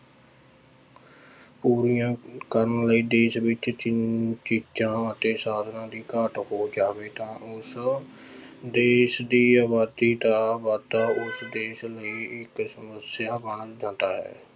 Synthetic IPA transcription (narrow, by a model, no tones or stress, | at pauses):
puːɾijãːkəɾənləiːd̪eːsʋɪt͡ʃt͡ʃɪnt͡ʃiːd͡ʒãːət̪eːsaːd̪ʱnãːd̪iːkəʈhoːd͡ʒaːʋeːt̪ãːʔʊs | d̪eːsd̪iːaːbaːd̪iːt̪aːbaːd̪t̪ãːʊsd̪eːʃləiːɪksəməsjaːbəɳd͡ʒãːt̪aːɦɛ̰ː